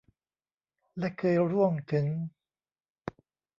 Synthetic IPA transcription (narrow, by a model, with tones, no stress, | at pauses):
lɛ˦˥kʰɤː˧jɾu˥˩əmt̪ʰɯ˩˦ŋ